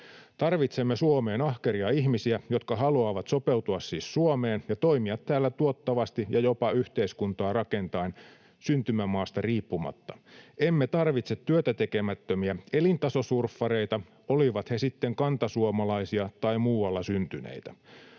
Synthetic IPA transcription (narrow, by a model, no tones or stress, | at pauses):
t̪ɑrʋit̪semːesuome̞ːnɑhkeɾiɑihmisiæjot̪kɑɦɑluɑːʋɑt̪so̞peut̪uɑssiːssuomeːnjɑt̪oimiɑt̪t̪æːlːæt̪uot̪ːɑʋɑst̪ijɑjo̞pɑyht̪eiskunt̪ɑːrɑke̞nt̪ɑin | synt̪ymæmɑːst̪ɑriːpːumɑ̰t̪ːɑemːet̪ɑrʋit̪set̪tːyøt̪æt̪e̞ke̞mæt̪ːømiæelint̪ɑso̞surfːɑɾe̞jt̪ɑ | oliʋɑt̪he̞sit̪ːeŋkɑnt̪ɑsuomɑlɑisiɑt̪ɑimuːwɑlːɑsynt̪ynḛit̪æ